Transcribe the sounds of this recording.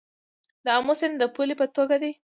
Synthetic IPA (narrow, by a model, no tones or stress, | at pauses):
d̪ɑmʊsɪnd̪əpulipət̪oɡad̪e